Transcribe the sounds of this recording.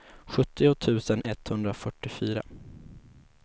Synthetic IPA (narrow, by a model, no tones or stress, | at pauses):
ɧɵt̪ːɪʊt̪ʰʉ̟ːsənʔɛt̪hɵnd̪ɾafœʈːɪfyːɾa̰